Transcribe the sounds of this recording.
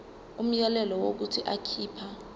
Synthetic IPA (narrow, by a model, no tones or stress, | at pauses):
um̩jɛlɛlɔwok̬utʰiʔakʰiːpʰa